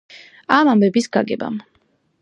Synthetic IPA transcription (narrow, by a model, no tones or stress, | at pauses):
amambɛbisɡaɡɛba̰m